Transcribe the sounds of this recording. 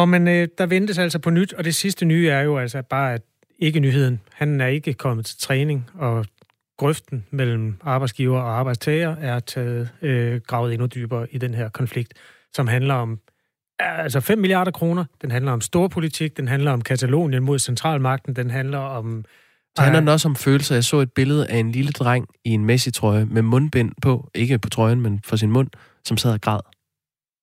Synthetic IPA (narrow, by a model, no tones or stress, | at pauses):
ɒmenød̥ɑ̈ʋend̥əs̬æl̰sɒpʰɒ̽nyd̥ɒ̽d̥e̝sisd̥ənyːæɐjo̝ælsɐb̥ɑ̈ːæd̥ | e̝ɡ̥ənyːɦe̝ð̰ˠn̩hænæɐe̝ɡ̥əkʰɒ̽m̰əð̩ˠt͡sʰe̝lt͡sʰʁɛːne̝ŋɒ̽ | ɡ̥ʁœfd̥n̩mel̰m̩ɑ̈ːb̥ɑ̈ɪdsɡ̥iːʊɐːɒ̽ɑ̈ːb̥ɑ̈ɪd̥st͡sʰɛːɪɐːæɐt͡sʰɛːð̩ˠøɡ̥ʁɑ̈ʊð̩ˠe̝nud̥yːb̥ɐːʔid̥enɦeɐ̰kʰɒ̽nfliɡ̥̚d̥ | sɒ̽mɦænlɐɒ̽m | ælsɐfem̰ːiliɑ̈ːɾ̥ɐkʰʁo̝ːnɐd̥enɦænlɐɒ̽msd̥o̝ːɐpʰo̝lit͡sʰiɡ̥̚d̥enɦænlɐɒ̽mkʰæt͡sʰælo̝̰ːnjənmo̝ð̞̰ˠsent͡sʰʁɑ̰̈ːlmɑ̈ɡ̥̚d̥n̩d̥enɦænlɐɒ̽m̥ | hænnlɐdenɒ̽səɒ̽mføːl̩sɐjɑ̈ɪsɔ̰ːe̝d̥̚b̥e̝ləð̞̩ˠʔæe̝nliləd̥ʁaŋ̰ie̝nmesit͡sʰʁɒ̽ɪəmemɔ̽nb̥en̰pʰɒ̽ʔe̝ɡ̥əpʰɒ̽t͡sʰʁɒ̽ɪn̩menfɒ̽s̬inmɔ̽n̰ | sɒ̽msɛð̞̰ˠiɡ̥ʁɑ̰̈ːð̞̰ˠ